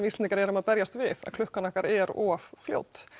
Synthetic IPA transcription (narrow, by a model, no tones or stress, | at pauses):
mist̪nkɾɛɾʏmaðpɛɾjast̪vɪθa̰ðkʰlʏhkanahkaɾɛɾɔffljo̰ːwt̪